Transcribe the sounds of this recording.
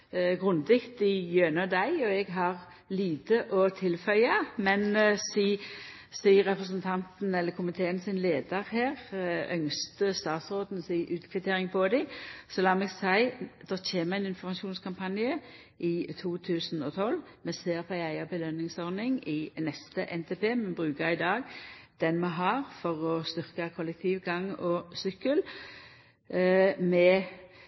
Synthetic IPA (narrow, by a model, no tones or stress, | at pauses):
ɡʁʉnd̪ɪkt̪ɪjønəd̪æɪɔɛɡɦɑʁ | liːt̪əʔɔt̪ʰɪlfœʏɑmɛnsiː | siʁɛpʁəs̬ənt̪ʰɑnt̪n̩ɛlːəkʰʊmɪt̪ʰeːənsɪnleːd̪əʁheːʁœŋst̪əst̪ɑːt̪sʁoːd̪n̩siːʔʉːt̪kʰʋɛt̪ʰeːɾɪŋpʰɔd̪ɪsɔlɑːmɛɡsæɪd̪̥ɔtʰeːməʁæɪnɪnfɔɾmɑʃuːnskʰɑmpʰɑnjə | ʔɪt̪ʰuːt̪ʰʉːsn̩ɔt̪ʰɔlː | mɛseːʁpʰɔæɪæɪɑbəlœnːɪŋsɔʁnɪŋɪnɛst̪əʔɛnt̪ʰeːpʰeːmɛbʁʉːkəɾɪd̪ɑːɡd̪̥ɛnmɛɦɑʁfɔʁɔst̪ʏʁkəkʰɔlɛk̚t̪ʰiːʋɡɑŋɔsʏkːəl | mɛ